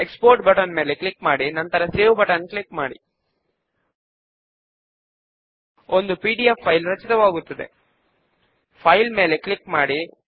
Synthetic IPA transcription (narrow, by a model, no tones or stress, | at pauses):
ekspoːɾʈbɐʈɐnme̞ːleklikmaːɽinɐnt̪ɐɾɐseːʋubɐʈɐnklikmaːɽḭ | ond̪upiːɖijepʰːɐjlɾɐt͡ʃit̪ɐʋaːɡut̪ːɐd̪e̞̰ | pʰɐjlme̞ːle̞klikmaːɽi